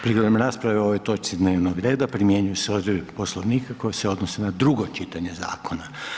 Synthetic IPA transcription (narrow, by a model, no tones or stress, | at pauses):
pɾiɡlod̪emɾaːspɾaʋeo̞ʋojt̪o̞t͡ʃ̪id̪neːʋnoɡɾeːd̪apɾimjeɲujuseod̪ɾipo̞slˠoʋniːkako̞jeseo̞d̪nosenad̪ɾuɡot͡ʃit̪aɲe̞za̰ːkona